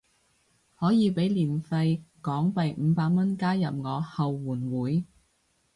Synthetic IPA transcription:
hɔː˨˥jiː˨˧pe˨˥jliː˨˩nfɐ˧jkɔː˨˥ŋpɐ˨jm̩˨˧˦paː˧k̚mɐ˥nkaː˥jɐ˨p̚ŋɔː˨˧hɐ˨wːuː˨˩nwuː˨˥j

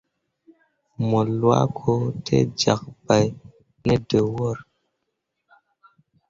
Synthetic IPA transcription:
mo˨lwa̰˦kʰo˦tʰḛ˦d͡ʒa˨k̚ba˨j | ne˦də˨wɔ˦˨ɾ

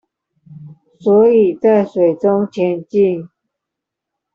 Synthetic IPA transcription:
swɔ˧˥i˨˩t͡sa˥˩ɪʂwe˨˩ɪʈ͡ʂʊ˥ŋt͡ɕʰjɛ˧˥nt͡ɕi˥˧ŋ

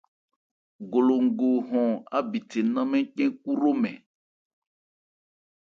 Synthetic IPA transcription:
ɡo˨lo˨ŋ̩˨ɡo˨ɦɔ̃˨a̰˦bi˨t̪ʰe˨nã˦mɛ̃˦k͡pɛ̃˦ku˦ɾo˦mɛ̃˨

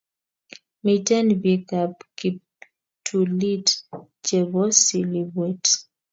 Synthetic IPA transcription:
mi˨tɛ˦nbi˦ka˨pki˨ | tʰu˨li˦t | t͡ʃɛ˨bɔ˦si˨li˨bwɛ˦t

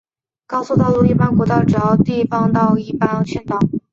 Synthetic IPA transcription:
kɑ˥ʊsu˥˧t̪ɑ˥˧ʊlu˥˧i˥˩pa˥nkwɔ˧˥t̪ɑ˥˩ʊʈ͡ʂɻ̩˨˧˩ɑ˥ʊt̪i˥˩fɑ˥ŋt̪ɑ˥˧ʊi˥˩pa˥˩nɤ˧˥˩t͡ɕʰɛ˥˧nt̪ɑ˥˩ʊ

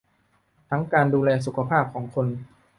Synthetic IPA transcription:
t̪ʰa˦˥ŋkaː˧nduː˧lɛː˧s̬u˨˩kʰa˧pʰaː˥˩p̚kʰɔː˩˦ŋkʰo˧n

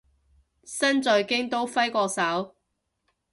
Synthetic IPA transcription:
sɐ˥nt͡sɵ˨˧ɥkɪ˥ŋt̪o˥wfɐ˥jkɔː˧sɐ˨˥w

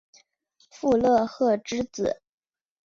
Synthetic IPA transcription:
fu˥˧lɤ˥˧xɤ˥˩ʈ͡ʂɻ̩˥t͡sɹ̩˨˩˦

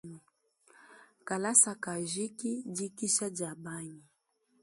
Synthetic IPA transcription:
ka˨la˦sa˨ka˨ʒi˦ki˦d͡ʒi˦ki˦ʃa˦d͡ʒa˨ba˦ɲi˨

